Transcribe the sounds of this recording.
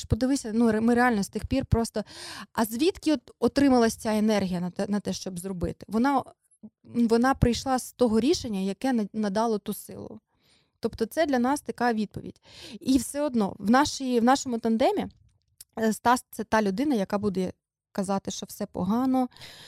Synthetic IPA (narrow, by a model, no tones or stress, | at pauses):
pɔd̪ɪʋɪsʲɐnumɪɾeɑlʲnɔst̪ɪxpʲirpɾɔst̪ɔɐzʲʋʲit̪kʲɪɔt̪ɔt̪ɾɪmɐlˠɐsʲt͡sʲaenɛrɦʲijɐɐnɐt̪ɛʃt͡ʃɔbzrɔbɪ̰t̪ɪ̥ʋɔnɑ | ʋɔnɑpɾɪjʃlˠɑst̪ɔɦɔɾʲiʃenʲːɐjɐkɛnɐd̪ɑlˠɔt̪usɪ̰lˠʊ̰ | t̪ɔpt̪ɔt̪sɛd̪ʲlʲɐnɑst̪ɐkɑʋʲid̪̚pɔ̰ʋʲḭd̥ʲiwsɛɔd̪nɔ̰ʋnɑʃijʋnɑʃɔmʊt̪ɐnd̪ɛmʲi | st̪ɑst̪sɛt̪ɑlʲʊd̪ɪnɐjɐkɑbud̪ɛ | kɐzɑt̪ɪʃt͡ʃɔwsɛpɔ̰ɦɑnɔ